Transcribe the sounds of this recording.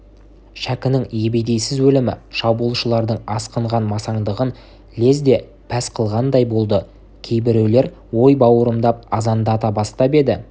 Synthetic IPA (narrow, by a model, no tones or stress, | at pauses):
ʃækʲɪnɪŋjebejd̪e̞jsɪzwɵlɪmɪ̰ʃɑbulˠʃəlˠɑɾd̪əɴɑsqəɴʁɑnmɑsɑɴd̪əʁən | le̞zd̪e̞ | pʰæsqʰəlˠʁɑnd̪ɑjbo̞lˠd̪ə | kʲʰe̞jbɪɾewle̞ɾ | wo̞jbɑwəɾəmd̪ɑp̚ɑzɑnd̪ɑt̪ɑbɑst̪ɑpe̞d̪ɪ